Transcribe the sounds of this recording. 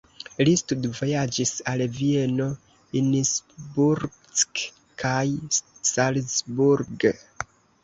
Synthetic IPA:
listudvo̞jad͡ʒisalvie̞no̞ | insbuɾ | sk | kʰajsalsbuɾɡ

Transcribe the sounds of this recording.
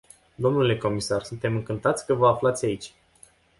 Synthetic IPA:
d̪o̞mnule̞ko̞misarsunt̪e̞mɨŋkɨnt̪at̪sʲkəvəaflat̪sʲait͡ʃʲ

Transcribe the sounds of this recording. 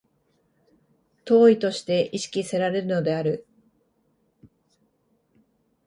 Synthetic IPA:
t̪o̞ːit̪o̞ɕi̥t̪e̞ʔiɕi̥kʲise̞ɾaɾe̞ɾɯ̟no̞d̪e̞aɾɯ̟

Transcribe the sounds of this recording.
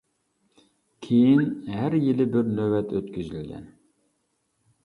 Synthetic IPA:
kʲʰejinɦæɾjilɪbɪɾnøwɛt̪ʰøt̪kʲyzylɡʲɛ̰n

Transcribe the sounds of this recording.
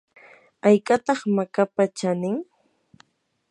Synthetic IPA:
ajkʼat̪ɑχmakapat͡ʃanɪŋ

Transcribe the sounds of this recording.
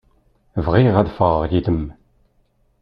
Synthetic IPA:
vʁiʁæðfəʁəʁjid̪əm

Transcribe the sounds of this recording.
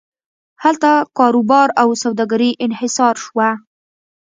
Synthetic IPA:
halt̪akɑɾubɑɾawsawd̪ɑɡaɾiʔɪnhɪsɑɾʃwa

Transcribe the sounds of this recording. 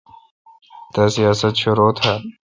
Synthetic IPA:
t̪asijɑːsɐt̪ʃʊɾoːt̪ʰa

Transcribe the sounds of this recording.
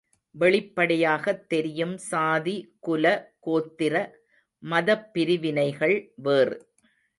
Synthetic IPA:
ʋɛɭɪpːɐɽɐjaːɣɐt̪ːɛɾɪjɯmsaːðikʊlɐkoːt̪ːɪɾɐ | mɐðɐpːɪɾɪʋɪnɐɪɣɐɭʋeːrɯ

